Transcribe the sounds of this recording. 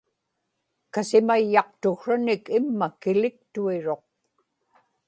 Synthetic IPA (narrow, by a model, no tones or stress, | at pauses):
kasɪmajːɑq̚t̪ʊxʂanɪkɪmːakɪlɪk̚t̪uiɻo̞q̚